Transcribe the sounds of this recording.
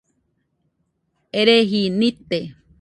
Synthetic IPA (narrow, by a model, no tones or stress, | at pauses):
eɾeɦinĩt̪e